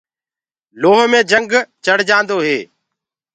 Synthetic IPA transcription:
loːɦmẽːd͡ʒəŋɡt͡ʃəɽ̤d͡ʒãːnd̪oːɦeː

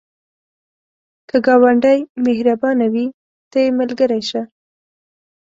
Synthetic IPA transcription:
kʰəɡɑwaɳɖajmehɾabɑnawi | t̪ajeməlɡəɾajʃa

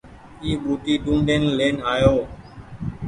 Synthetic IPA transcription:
iːɓuːt̪iːɗũːɳɖeːnleːnaːjoː

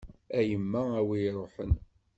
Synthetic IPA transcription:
æjəmːææwijɾˤoħən

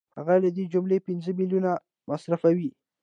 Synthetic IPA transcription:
ha̰ɣalad̪ed͡ʒʊmlepɪnzəmiljuna | masɾafawi

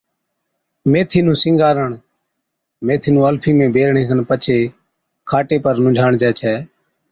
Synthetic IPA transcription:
meːt̪ʰiːnũːsɪ̃ŋɡaːɾəɳ | meːt̪ʰiːnũːəlpʰiːmẽːbʱeːɾɳẽːkʰənpət͡ʃʰeː | kʰaːʈeːpəɾnʊ̃d͡ʒʱaːɳd͡ʒɛːt͡ʃʰɛː

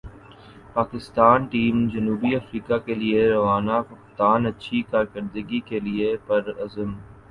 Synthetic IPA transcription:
paːkɪst̪aːnʈiːmd͡ʒɐnuːbiɐfɾiːkakelieɾɐʋaːnakʊxt̪aːnɐtːʃʰikaːɾkɐɾd̪əɡikeliepɐɾɐzəm

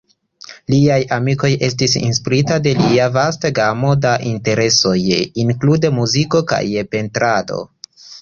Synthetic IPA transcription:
liajamiko̞je̞stisḭnspiɾitade̞liavastaɡamo̞daʔinte̞ɾe̞so̞jiŋklude̞muziko̞ka̰jpe̞ntɾado̞̰

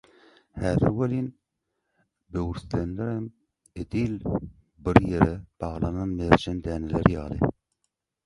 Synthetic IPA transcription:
hæːðɪɾwelin | bøwɾslenlɛɾɛm | ed̪il | bɪɾjeɾɛb̥ɑʁlˠɑnɑnmeɾd͡ʒɛnd̪æːneleɾjɑːlɨ̰

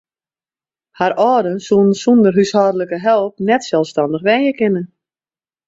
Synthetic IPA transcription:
haɾɔːdənsunnsundərɦyshɔːdələkəɦɛlˠp̚nɛtsɛlˠfstɔndəxʋɛnjəkɪnə

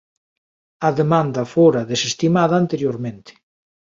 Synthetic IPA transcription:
ɐðemãnd̪ɐfoɾaðesest̪imaðaːnt̪eɾjoɾmẽnt̪ɪ̥

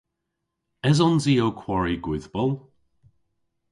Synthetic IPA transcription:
ɛzɔnziːokʰwɔɹiɡwɪðbəlˠ

